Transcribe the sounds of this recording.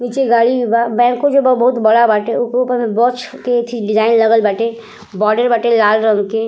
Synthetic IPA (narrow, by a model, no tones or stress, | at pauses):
mit͡ʃeɡaːlibabɛ̃ːkːod͡ʒobbɐɦʊt̪bɐɽabaːʈeʊkeupəɾ̃bɔːt͡ʃket̪ʰiɖɪd͡ʒaːɪnlɐɡəlbəʈe | bɔːɾɖəɾbəʈelaːlɾə̃ŋke